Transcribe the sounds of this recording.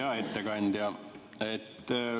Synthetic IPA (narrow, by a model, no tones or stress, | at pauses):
ɑet̪ːækɑnt̪jɑet̪ː